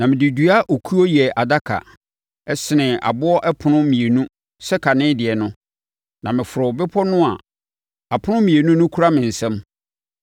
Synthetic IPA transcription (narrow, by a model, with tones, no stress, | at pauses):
nã˨mɪ̃˨dɪ˨dɥa˦ʔo˨kʰu˦ɔ˦jɛ˨ʔa˨da˦kʰa̰˨ | ɛ˦sɪ˨nɪ̃˨a̰˨bʊ˦ɔ˦ʔɛ˦pʰʊ˨nʊ̃˦mĩ˨e˨nũ˦ | sɛ˦kʰa˨nɪ̃˦dɪ˨ɛ˨nʊ̃˦ | nã˨mɪ̃˨fʊ˨ɾʊ˨bɪ˦pʰɔ˦nʊ̃˦a˨ | a˨pʰʊ˦nʊ̃˦mĩ˨e˨nũ˦nʊ̃˦kʰu˦ɾa˦mɪ̃˨n̩˨sɛ̃˦m